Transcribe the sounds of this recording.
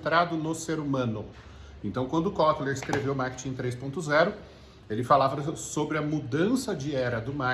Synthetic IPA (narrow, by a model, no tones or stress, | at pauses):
t̪ɾad̪ʊnʊseɾumɐ̃nʊ | ẽnt̪ɐ̃w̃kwɐ̃nd̪ʊkɔt̪leɾɪskɾevewmaɾkɪ̥t͡ʃĩẽt̪ɾejspõnt̪ʊzɛɾʊ | elɪfalavɐsobɾɪɐmud̪ɐ̃sɐd͡ʒɪɛɾɐd̪ʊma